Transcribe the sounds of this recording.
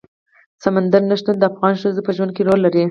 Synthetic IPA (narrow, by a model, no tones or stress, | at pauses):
samand̪aɾnaʃt̪und̪əafɣɑnʃt̪azopəʒwand̪keɾolːaɾi